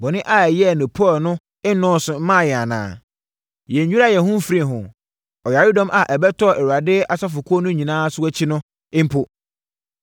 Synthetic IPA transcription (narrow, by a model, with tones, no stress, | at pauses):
bɔ˨nɪ̃˦ʔa˦˨jɛ˦˨nʊ̃˨pʰɔ˦˨nʊ̃˦ | ɪ˦nɔ̃ː˦sʊ˨m̩˦mã˦˨jɛ˨a˨nã̰ː˨ | jɛ˨ɲ̩˨ɲᶣu˦a˦˨jɛ˨hʊ̃˦m̩˦fi˦ɾĩ˨ɦʊ̃˨ | ɔ˨ja˨ɾi˦dɔ̃˦mʔa˨ʔɛ˨bɛ˦tʰɔ˦˨ɛ˨wu˨ɾa˨dɪ˦a˨sa˦fʊ˨kʰʊ˦ɔ˦nʊ̃˦ɲĩ˨nãː˦sʊ˦ɛ˦t͡ɕʰɪ˦nʊ̃˦ | ɪ̃˦m̩˦pʰʊ˦